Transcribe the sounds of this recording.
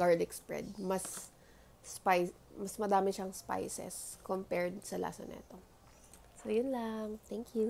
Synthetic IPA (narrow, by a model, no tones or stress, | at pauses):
ɡaɹd̪ɪkspɹɛ̰d̪̚mɐs | paj | mɐsmɐd̪aːmɪʃɐŋspa̰jsɛ̰skompɛɹd̪sɐlʔa̰sɐ̰nʔɛ̰ɛt̪o | sojʊnlaŋt̪ɛŋkju